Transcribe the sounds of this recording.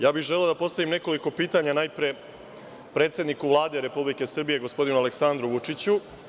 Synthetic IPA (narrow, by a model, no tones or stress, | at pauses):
jaːbixʒeleod̪apo̞st̪aʋimne̞ko̞liko̞piːt̪aɲanajpɾe | pɾe̞ːt̪sʲed̪nikuʋlˠaːd̪e̞ɾe̞publike̞sr̩bije̞ɡo̞spo̞d̪inuale̞ksand̪ɾuʋut͡ʂit͡ɕu